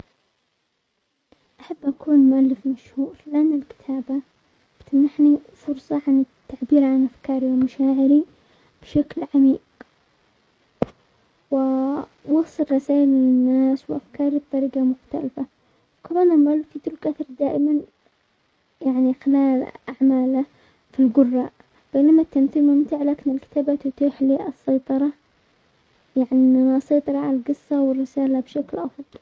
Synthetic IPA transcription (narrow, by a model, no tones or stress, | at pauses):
ʔaħabːʔakuːnmʊʔalːɪfmaʃhuːɾlɪʔanːalkɪ̥t̪ʰaːba | bt̪amnaħnifʊɾsˤɑʕanɪt̪ːaʕbiːɾʕanʔafkɑːɾiwmʊʃaːʕɪɾi | b̥ʃaklʕamiːq | wɪ | wɑsˤːɨlrˤɑsaːʔɪlmɪnɪnːaːswʔafkɑːɾib̚t̪ˤɑɾiːɡamʊxt̪a̰lfa | wkamaːnamɡaːlfit̪ʊlkaθɑɾˤd̪aːʔɪman | jaʕnixɪlaːlʔaʕmaːla | filɡʊrːɑʔ | b̥eːnamat̪ːamθiːlmʊmt̪ɪʕlaːkɪnɪlkɪ̥t̪aːbat̪ʊt̪iːħliːʔɑsːɑjt̪ˤɑɾˤɑ | jaʕnianaʔsˤɑjt̪ˤɨɾˤɑʕaalɡɨsːawɪrːɪsaːlabʃaklʔɑfˤðˤl